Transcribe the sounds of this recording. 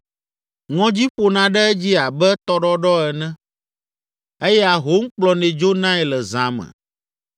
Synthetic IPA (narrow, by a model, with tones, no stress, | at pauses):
ŋɔ̃˦d͡ʑi˦ɸo˨nã˨ɖɛ˦ɛ˦d͡ʑi˦a˨bɛ˦t̪ɔ˦ɖɔ˦ɖɔ˦ɛ˨nɛ̃˦ | e˦jɛ˦a˨ɦo˦ŋ̩˦k͡plɔ˨nẽ˨d͡ʒo˦nã˦ɛ˨lɛ˨zã˨mɛ̰̃˨